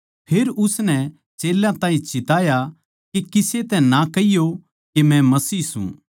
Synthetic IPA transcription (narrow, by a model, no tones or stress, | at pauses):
pʰeːɾʊsnɛ | t͡ʃeːlãt̪ãːĩt͡ʃɪt̪aːja | kekɪset̪ɛnakɐijo | kemɛ̃mɐsiːsṵ̃